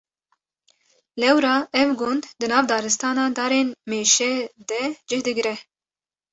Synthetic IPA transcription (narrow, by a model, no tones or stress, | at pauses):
lɛwɾɑːʔɛvɡʊnd̪d̪ɨnɑːvd̪ɑːɾɨst̪ɑːnɑːd̪ɑːɾeːnmeːʃɛd̪ɛd͡ʒɪhd̪ɨɡɾɛ